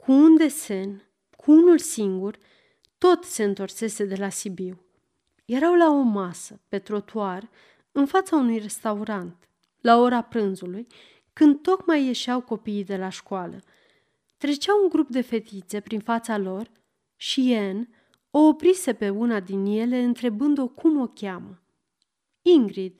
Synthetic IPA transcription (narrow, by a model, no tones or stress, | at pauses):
kʰuund̪e̞se̞n | kʰuunulsiŋɡur | t̪o̞t̪se̞ɨnt̪o̞rse̞se̞d̪e̞lasibiw | je̞ɾawlao̞masəpe̞t̪ɾo̞t̪uar | ɨnfat̪saunujre̞st̪auɾant̪ | lao̞ɾapɾɨnzuluj | kɨnd̪̚t̪o̞kmajːe̞ʃawko̞piːd̪e̞laʃkualə̰ | t̪ɾe̞t͡ʃawuŋɡɾupd̪e̞fe̞t̪it̪se̞pɾinfat̪salo̞r | ʃien | o̞ːpɾise̞pe̞unad̪inje̞le̞ɨnt̪ɾe̞bɨnd̪o̞kʰumo̞kʲamə | iŋɡɾid̪̥